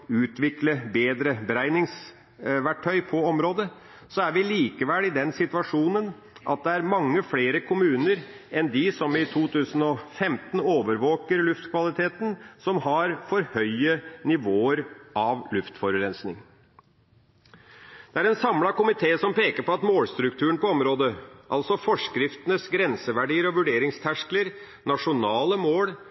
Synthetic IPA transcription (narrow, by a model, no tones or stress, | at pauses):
ʉːt̪ʋɪkləbeːd̪ɾəbəɾæɪnɪŋs | ʋæʈʰːœʏpʰɔɔmɾoːd̪ə | sɔæɾʋɪliːkəʋɛlɪd̪ɛnsɪt̪ʋɑʂuːnən | ʔɑ̰t̪̚d̪ɛæɾmɑŋːəfleːɾəkʰʊmʉːnəɾ | ɛnd̪ɪsɔmɪt̪ʰuːt̪ʰʉːsənɔfɛmt̪n̩oːʋəɾʋoːkəɾlʉft̪kʰʋɑlɪt̪ʰeːt̪n̩sɔmhɑɾfɔɾhœʏənɪʋoːəɾʔɑʋlʉft̪fɔɾɾɛnsnɪ̰ŋ | d̪̥ɛæɾɛnsɑmlɑkʊmɪt̪ʰeːsɔmpeːkəɾpɔɑt̪moːlst̪ɾʉkt̪ʰʉːəɳpɔɔmɾoːd̪əʔɑ̰lsɔfɔʂkɾɪft̪ənəsɡɾɛnsəʋæɖiːəɾɔʋʉɖeːɾɪŋst̪ʰæʂkləɾ | nɑʂʊnɑːləmoːɽ